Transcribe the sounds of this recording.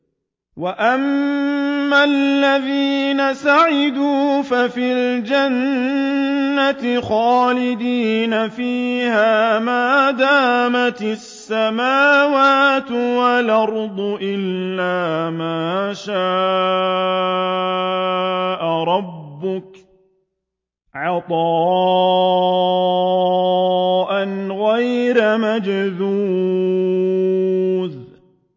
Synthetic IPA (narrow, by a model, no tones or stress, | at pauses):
waʔamː | alːaðiːnasaʕɪd̪uːfafiːld͡ʒan | at̪ɪxaːlɪd̪iːnafiːhaːmaːd̪aːmat̪sːamaːwaːt̪walʔɑɾˤd̪ˤʊʔɪlːaːmaːʃaː | ʔɾˤɑbːʊk | ʕɑt̪ˤɑː | ʔanɣajɾamad͡ʒðuː | ð